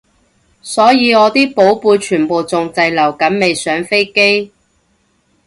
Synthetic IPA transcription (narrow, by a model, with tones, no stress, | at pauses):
sɔː˨˥jiː˨˧ɔː˨˧t̪iː˥po˨˥wpuː˧jt͡ʃʰyː˨˩npo˨wt͡sʊ˨ŋt͡sɐ˧jlɐ˨˩wkɐ˨˥nme˨jsœː˨˥ŋfe˥jke˥j